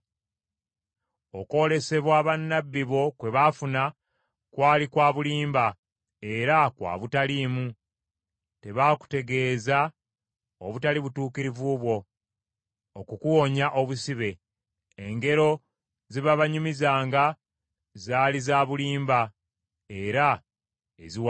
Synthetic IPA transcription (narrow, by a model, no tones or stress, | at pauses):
o̞ko̞ːle̞se̞βwaːβanːabːiβo̞kwe̞βafuna | kwaːlikwaːβuliːmba | e̞ɾakwa̰ːβutalimu | te̞βaːku̥te̞ɡe̞ːza | oβutaliβutuːkiɾivuβwo̞ | kukuwo̞ɲaʔo̞βusiβe̞ː | ŋɡe̞ɾo̞ | ziβaβaɲumizaːŋɡa | zaːlizaːβuliːmba | e̞ɾa | eziw